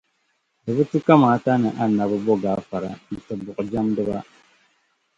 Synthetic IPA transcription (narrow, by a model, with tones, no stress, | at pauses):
dɨ˨bɨ˦tu˦ka˦maː˨˦ta˦nɨ˨ʔa˦na˨bɨ˦bɔ˦ɡaː˨˦fa˨ɾa̰˨nɨ˨tɨ˨bʊ˨ʔd͡ʒa˦mdɨ˦ba˦